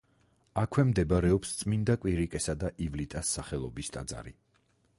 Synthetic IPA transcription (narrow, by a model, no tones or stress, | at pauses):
akʰwɛmd̪ɛbaɾɛɔpst̪sʼmind̪akʼwiɾikʼɛsad̪aʔivlit̪ʼasːaχɛlˠɔbist̪ʼa̰d̪za̰ɾi